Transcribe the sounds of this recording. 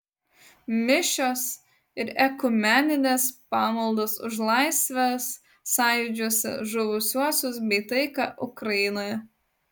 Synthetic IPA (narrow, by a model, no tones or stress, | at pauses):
mʲɪʃʲoːs | ɪɾɛkʊmʲænʲɪnʲeːspɑːmɐlˠd̪oːsʊʒlˠɑɪsʲʋʲɛsː | ɑˑɪd͡ʒʲuːsʲɪ̰ʒʊʋʊsʲuɔsʲʊs̬bʲɛɪt̪ɐɪkɑːʔʊkɾɐjɪnoːjɛ